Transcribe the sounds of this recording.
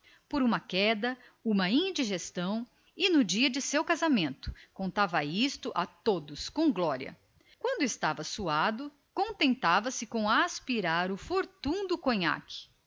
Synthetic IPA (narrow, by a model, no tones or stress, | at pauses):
poɾũmɐkɛd̪ɐ | ũmɐĩd͡ʒiʒest̪ɐ̃w̃ | ɪnʊd͡ʒiɐd͡ʒɪsewkazamẽnt̪ʊ̥kõnt̪avɐist̪ʊʔat̪od̪ʊskõw̃ɡlɔɾjɐ̰ | kwɐ̃nd̪ʊɪst̪avɐsuad̪ʊ | kõnt̪ẽnt̪avɐsɪkõw̃aspiɾaɾʊfoɾt̪ũd̪ʊkõɲa̰kʰɪ̥